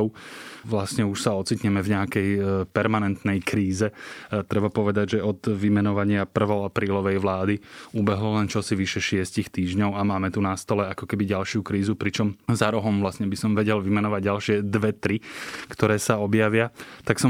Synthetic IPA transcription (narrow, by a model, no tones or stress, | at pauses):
ʊʋlasɲɛuʃsaɔt͡sit̪ɲɛmɛvɲɛakɛjpɛɾmanɛnt̪nɛjkɾiːzɛt̪ɾɛbapɔʋɛd̪aɟʒɛɔd̪ʋimɛnɔʋaɲɪapr̩ʋɔʊapɾiːlɔʋɛjʋlaːd̪iubɛɦlɔlɛnt͡ʃɔsiʋiʃɛʃɪɛscixt̪iːʒɲɔʊamaːmɛt̪unast̪ɔlɛakɔkɛbiɟalʃjukɾiːzupɾit͡ʃɔmzaɾɔɦɔmvlasɲɛbisɔmʋɛɟɛlʋimɛnɔʋaɟɟalʃɪɛd̪ʋɛt̪ɾikt̪ɔɾɛːsaɔbjaʋɪat̪aksɔ